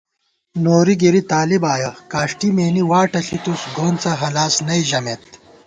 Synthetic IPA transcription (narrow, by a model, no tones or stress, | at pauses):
noːɾiɡiɾit̪aːlibaːjɐkaːʂʈimeːniwaːʈɐɬʰit̪usɡoːnt͡sɐɦɐlaːsnɐiʑɐmet̪